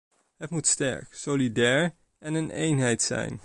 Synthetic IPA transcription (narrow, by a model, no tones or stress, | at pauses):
ɦətmutstɛ̰ɹksolidɛːɹ | ɛnənḛjnɦɛjtsɛ̰jn